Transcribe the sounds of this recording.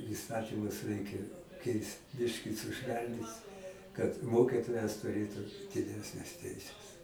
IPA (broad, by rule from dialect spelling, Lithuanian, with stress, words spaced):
iːˈstɑːtʲiːmʊs ˈrʲɛɪkʲɛ ˈkʲɛɪst ˈbʲɪʃʲkʲɪ sʊˈʃʲʋʲɛlʲnʲiːt kɐt ˈmoːkʲɪtoːjɛs tʊˈrʲeːtʊ dʲɪˈdʲæːsʲnʲɛs ˈtʲɛɪsʲɛs